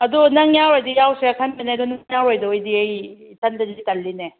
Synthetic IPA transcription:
ɐdɔnɐŋjawɾojdɐjawseɐkʰɐnbeneɐdɔnjawɾojdɐojdiejtʰandɐzikɐlːine

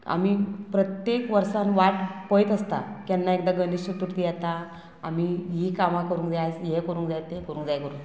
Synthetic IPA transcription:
a̰mipɾət̪jekʋəɾsanʋaʈpəjt̪əst̪a̰kjanːaekd̪aɡəniɕut̪uɾt̪ijɛt̪a | a̰miɦikamãkəɾuːŋkd͡z̪ajt͡sjekəɾuːŋkd͡zajt̪ekəɾũːŋkd͡zajkəɾũŋk

